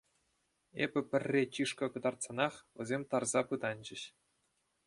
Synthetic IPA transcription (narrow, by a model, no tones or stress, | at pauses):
ḛbʲɘ̆pʲɘ̆rʲːet͡ɕiʂkɤ̆kɤ̆d̪ɑrt̪sɑnɑχʋʲɘ̆zʲemʲt̪ɑrzɑpɯd̪ɑnʲd͡ʑɘ̆ɕ